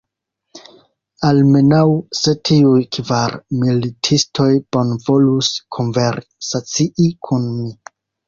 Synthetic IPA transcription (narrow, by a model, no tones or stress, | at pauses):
alme̞nawse̞tʰiujkvaɾmilitʰistʰo̞jb̥o̞nvo̞luskʰonveɾsat͡siʔikʰunmi